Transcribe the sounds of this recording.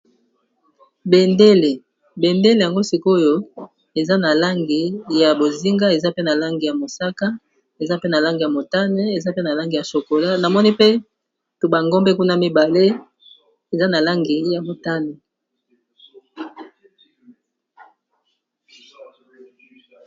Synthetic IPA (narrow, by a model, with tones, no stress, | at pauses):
be˨nde˦le˨ | be˨nde˦le˨ja˨ŋɡo˦si˨ko˦jo˦ | e˨za˦na˨la˦ŋɡi˨ja˨bo˨zi˦ŋɡa˦e˨za˦pe˦na˨la˦ŋɡi˨ja˨mo˨sa˦ka˦ | e˨za˦pe˦na˨la˦ŋɡi˨ja˨mo˨ta˦ne˦e˨za˦pe˦na˨la˦ŋɡi˨ja˨so˨ko˨la˦na˨mɔ˦ni˦pe˦ | tu˨ba˨ŋɡɔ˦mbe˦ku˦na˦mi˦ba˨le˦ | e˨za˦na˨la˦ŋɡi˨ja˨mo˨ta˦ne˨